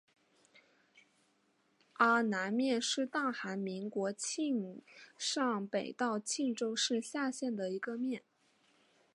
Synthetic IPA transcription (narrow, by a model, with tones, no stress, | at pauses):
ə˧˥na˧˥nmjɛ˥˧nʂɻ̩˥˧t̪ɑ˥˩ŋxa˧˥nmi˧˥ŋkwɔ˧˥t͡ɕʰi˥˧ŋʂɑ˥˩ŋpe˨˩ɪt̪ɑ˥˧ʊt͡ɕʰi˥˩˧ŋʈ͡ʂo˥ʊʂɻ̩˥˧ɕja˥˧ɕjɛ˥˩nd̪ə˩i˧˥ɡə˧mjɛ˥˩n